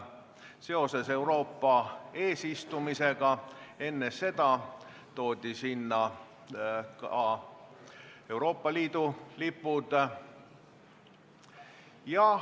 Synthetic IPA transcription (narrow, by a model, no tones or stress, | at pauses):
se̞o̞se̞se̞wɾo̞ːpːɑe̞ːsist̪umise̞ɡ̥ɑe̞nːe̞se̞d̪̥ɑ | t̪o̞ːd̪̥ʲisinːɑ | kɑ | e̞uɾo̞ːpˑːɑliːd̪̥ulipːˑud̪̥ | jɑ